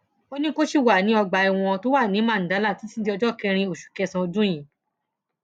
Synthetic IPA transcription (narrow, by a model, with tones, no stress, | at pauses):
o˦nĩ˦ko˦ʃi˦˨wa˨nĩ˦ɔ˧ɡ͡ba˨i˨w̃ɔ̃˧to˦wa˦˨nĩ˨˦mã˦˨n̩˨da˨˦la˦˨ti˨˦si˦di˧˦ɔ˧d͡ʒɔ˦˨kɛ̃˧ɾ̃ĩ˧o˨ʃu̥˨kɛ˧sã˧o˧dũ˦j̃ĩ˨